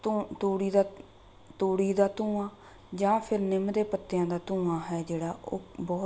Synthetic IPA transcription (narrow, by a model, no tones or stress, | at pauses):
t̪uːɽiːd̪aː | t̪uːɽiːd̪aːt̪ũːãː | d͡ʒãːpʰɪɾnɪmd̪eːpət̪ːjãːd̪aːt̪ũːãːɦɛːd͡ʒeːɽaːʔoːbɔː